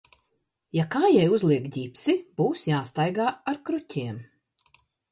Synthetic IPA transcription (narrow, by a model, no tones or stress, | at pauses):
jakaːjɛjuzlˠiɛkdʲipsib̥uːsjaːst̪ajɡaːaɾkɾutʲiɛm